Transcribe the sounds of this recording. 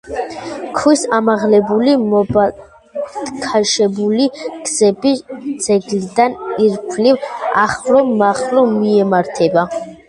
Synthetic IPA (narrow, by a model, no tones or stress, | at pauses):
kʰwisamaʁlɛbulimɔba | d̪̥kʰaʃɛbuliɡ̥z̥ɛbid̪z̥ɛɡlid̪aniɾpʰliva̰χvɾɔmaχɾɔmiɛmaɾt̪ʰɛba